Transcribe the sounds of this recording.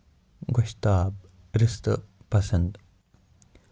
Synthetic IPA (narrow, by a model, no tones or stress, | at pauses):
ɡoʃt̪aːb | ɾist̪ɐ̰pɐsɐnd̪